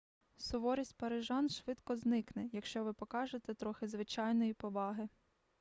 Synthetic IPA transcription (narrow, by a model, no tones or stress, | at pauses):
sʊʋɔɾʲisʲtʲpɐɾɪʒɑnʃʋɪd̪kɔznɪknɛjɐkʃt͡ʃɔʋɪpɔkɑʒet̪ɛt̪ɾɔxɪzʋɪt͡ʃɑjnɔjipɔʋɑɦɪ